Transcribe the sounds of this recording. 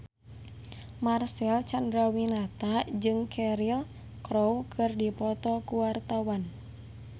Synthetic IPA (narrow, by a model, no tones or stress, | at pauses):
marsɛlt͡ʃandɾawinat̪ad͡ʒɨŋkʰɛɾil | kɾowkʰɨrdipɔt̪ɔkuwart̪awan